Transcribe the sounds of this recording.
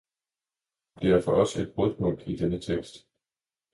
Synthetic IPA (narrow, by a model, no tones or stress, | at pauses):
d̥e̝æɐfɒ̽ʔɒ̽se̝d̥̚b̥ɔðˠb̥ɔ̽ŋ̰ɡ̥id̥enət͡sʰeɡ̥sd̥